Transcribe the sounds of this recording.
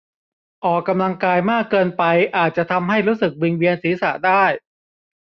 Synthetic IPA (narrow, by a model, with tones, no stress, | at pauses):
ʔɔː˨˩kːa˧mla˧ŋkaː˧jmaː˥˩kːɤː˧npa˧jʔaː˨˩t̪̚t͡ɕa˨˩t̪ʰa˧mɦa˥˩jɾuː˦˥sɯ˨˩k̚wi˧ŋwi˧ənsiː˩˦sa̰˨˩daː˥˩j